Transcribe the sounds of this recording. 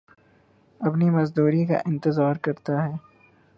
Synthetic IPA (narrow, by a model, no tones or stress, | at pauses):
ɐpnimɐzd̪uːɾika̰ʔɪ̃nt̪ɪzaːɾkɐɾt̪aɦɛː